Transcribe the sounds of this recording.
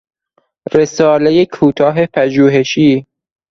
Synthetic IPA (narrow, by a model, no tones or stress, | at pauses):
ɾesɒːlejekʰuːt̪ʰɒːɦepʰæʒuːɦeʃiː